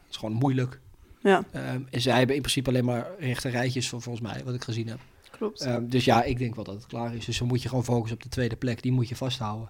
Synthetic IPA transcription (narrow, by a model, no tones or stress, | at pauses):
tɪ̥sχʋownmujlək | əɛnzɛjɦɛbənɪnmprɪnsipəɑlenmaːɹrɛxtərɛjkjəsfvolˠχən̩smɛ̰jʋɔtɪkχəzinɦɛp̚ː | døsjaɪɡ̚dɛŋkʋɛlˠdɔtətklaːrɪsdɵsomutjəxəʋownvowkəsəob̚dətʋejdəplɛkdimutjəv̥ɑstɦawə